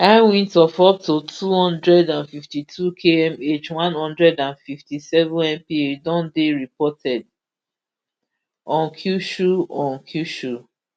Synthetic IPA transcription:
awĩntɔfɔp̚totʰuhɔ̃ndɹɛdãnfiftitʰukʰeɛ̃met͡ʃwãnhɔ̃ndɹɛdãnfiftisɛvɔ̃nɛ̃mpiedɔ̃ndeɹipɔtʰɛd | ɔ̃nkʰjuʃuɔ̃nkʰjuʃu

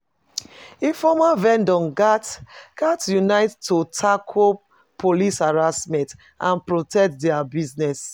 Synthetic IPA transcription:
efɔmavɛ̃ndɔ̃nɡatkatjunaɪttːutʰakʰo | pʰolishaɹasmɛ̃nt | ʔã̰npɹotʰɛk̚tdɛabiznɛs

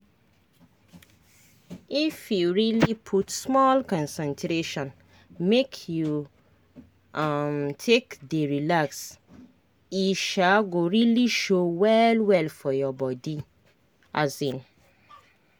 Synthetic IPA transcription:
ifjuɹilipʰutsmɔlkɔ̃nsɛ̃ntʰɾeʃɔ̃n | mekʰju | amtʰekdəɹilaks | iʃaɡoɹiliʃowɛlwɛlfɔjɔbɔdi | ʔazĩn

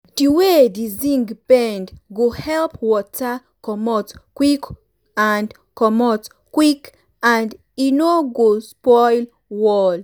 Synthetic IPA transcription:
diwedizĩŋɡbɛ̃ndɡohɛlpwɔtʰa | kɔmɔtkwik | and | kɔmɔt | kwik | ãnd | inoɡospɔjl | wɔl

